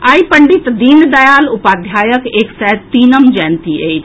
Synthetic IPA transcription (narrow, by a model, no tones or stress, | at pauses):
aːipəɳɖit̪d̪ind̪ɐjaːlʊpaːd̪ʱjaːjəkeːksɛt̪iːnəmd͡ʒɛnt̪iḛi